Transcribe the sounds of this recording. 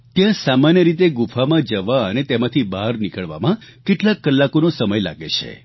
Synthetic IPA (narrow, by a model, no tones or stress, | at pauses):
t̪jãsamanjəɾit̪eɡufʰamãd͡ʒəʋaənet̪emãt̪ʰibaɾnikəɭʋa̰mãkeʈlakːəlːakonõsəməjla̰ɡet͡ʃʰḛ